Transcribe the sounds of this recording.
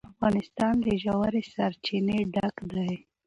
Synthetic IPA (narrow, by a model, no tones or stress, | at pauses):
afɣɑnɪst̪ɑnd̪əʒawaɾesaɾt͡ʃineɖakd̪aj